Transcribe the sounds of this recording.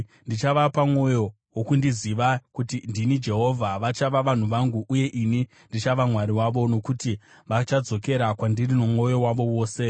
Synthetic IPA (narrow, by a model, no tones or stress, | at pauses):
ndit͡ʃaʋapamwo̞jo̞ | wokundiziʋakutindinid͡ʒe̞ɦo̞vʱaʋat͡ʃaʋaʋan̤uʋaŋɡuʔuje̞ʔini | ndit͡ʃaʋamwaɾiwaʋo̞no̞kuti | ʋat͡ʃad͡zo̞ke̞ɾakwandirinomwo̞jo̞waʋo̞wo̞ːse̞